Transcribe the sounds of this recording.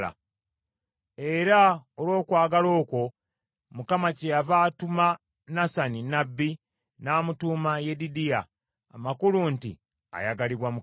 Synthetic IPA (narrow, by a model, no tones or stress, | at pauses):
a̰ | e̞ɾaolwo̞ːkwaːɡalo̞ːko̞ | mukamacejavaːtuma | nasaninabːi | naːmutumajedidijaː | makuluntḭ | a̰jaɡaliβwamu